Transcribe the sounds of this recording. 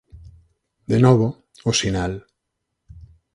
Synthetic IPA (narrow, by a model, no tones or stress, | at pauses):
d̪enoβo | osinal